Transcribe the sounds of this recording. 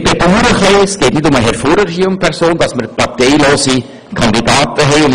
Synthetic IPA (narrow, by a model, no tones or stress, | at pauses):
b̥eduːɾəχesɡ̥ɛːtnɪdʊməɦɛɾfoːɾəɾɡiʊmpʰɛɾsoːnd̥ɑsməɾpɑɾtɛɪloːsi | kʰɑnd̪idɑːtəɦɛɪʊn